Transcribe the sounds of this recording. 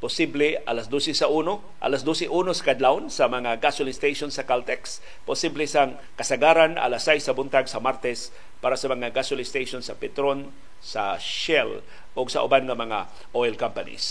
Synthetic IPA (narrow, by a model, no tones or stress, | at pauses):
pʊsiblɛʔa̰lasd̪osɛsaʔuːno | ʔa̰lasd̪osɛʔuːnosɐ̥kad̪lawnsɐmɐŋaɡaswlɪst̪ejʃonsɐkalt̪ɛks | pʊsiblɛsaŋ | kɐsɐɡaːɾanʔa̰lasajsɐbʊnt̪aɡsɐmaɾt̪ɛs | paːɾasɐmɐŋaɡaswalɪst̪ejʃonsɐpɛt̪ɾon | saʃɛl | ʔoɡsɐ̰ʔʊ̰banŋɐmɐŋa | ʔojlkampanḭs